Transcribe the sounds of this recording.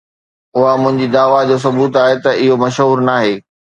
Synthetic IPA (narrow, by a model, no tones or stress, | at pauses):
ʊɦamʊ̃ɦɪ̃ɲd͡ʑid̪aːʋad͡ʑoːs̬ɐbuːt̪aːɦet̪ɐʔɪɦomɐʃɦuːɾnaːɦeː